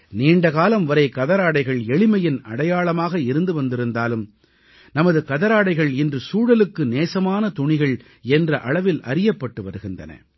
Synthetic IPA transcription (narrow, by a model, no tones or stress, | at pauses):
niːɳɖɐɣaːlɐmʋɐɾɐɪkɐðɐɾaːɽɐɪɣɐɭɛɭɪmɐjɪnɐ̰ɽɐjaːɭɐmaːɣɐɪɾɯnd̪ɯʋɐnd̪ɪɾɯnd̪aːlɯm | nɐmɐðɯkɐðɐɾaːɽɐɪɣɐɭɪndrɯsuːɽɐlɯkːɯneːsɐmaːnɐt̪ʊɳɪɣɐɭ | ɛndrɐʔɐɭɐʋɪlɐɾɪjɐpːɐʈːɯʋɐɾɯɣɪndrɐ̰nɐ̰